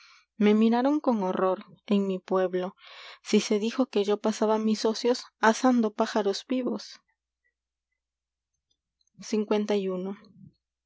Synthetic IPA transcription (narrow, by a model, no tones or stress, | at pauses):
me̞miɾaɾo̞ŋko̞ŋo̞ro̞ɾe̞ŋmipwe̞βlo̞sise̞ðixo̞ke̞ʝo̞pasaβamiso̞sjo̞sasand̪o̞paxaɾo̞zbiβo̞s | siŋkwe̞nt̪ajuno̞